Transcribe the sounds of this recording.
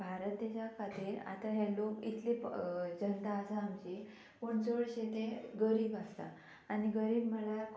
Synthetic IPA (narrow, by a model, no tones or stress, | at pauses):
bʱaɾət̪̚d̪eɕakʰat̪iːɾa̰t̪aɦɛlokit̪led͡ʑənt̪aːsaːmt͡ɕi | koɳt͡sɔʋəɽɕet̪eɡəɾiːbast̪a̰ | aniɡəɾiːbm̤əla